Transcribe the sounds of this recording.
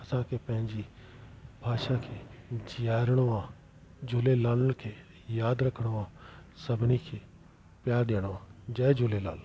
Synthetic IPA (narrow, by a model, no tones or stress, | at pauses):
ɐsãkʰeːpɐ̃ɦɪ̃ɲd͡ʑi | bʱaːʃakʰeːd͡ʑijaːɾɽ̃oãː | d͡ʑoːlelaːləɽ̃kʰeː | jaːd̪ɾɐkʰəɽ̃oãːsɐbʱɪnikʰeː | pjaːɾɗ̪eːɽ̃oʋãːd͡ʑɐːed͡ʒoːlela̰ːl